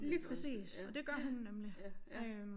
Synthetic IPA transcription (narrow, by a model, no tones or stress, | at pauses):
liːpʰʁɛsḭːsɒ̽d̥e̝ɡ̥ɶɐɦunːemliø